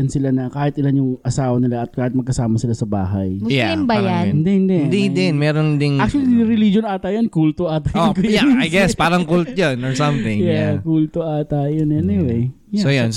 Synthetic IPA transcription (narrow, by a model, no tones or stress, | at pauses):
ɐnsɪlanɐkaːhɪt̪ʔɪlanjʊŋɐsaːwɐnɪlaʔɐt̪̚kaːhɪt̪̚mɐɡkɐsaːmɐsɪlasɐba̰ːɦɐjjambajaɪnd̪ɛhɪnd̪ɛʔnd̪id̪ɪnmɛːɾond̪ɪnak̚t͡ʃʊwɐlinnɪɾɪlid͡ʒonʔaːt̪ɐjɐnkult̪oʔaːt̪ɐokʊjaajɡɛspaːɾɐŋkult̪̚jonɔɹsɐ̃mθɪ̃ŋjjakult̪oʔaːt̪ajonʔɛnɪwej | jsojon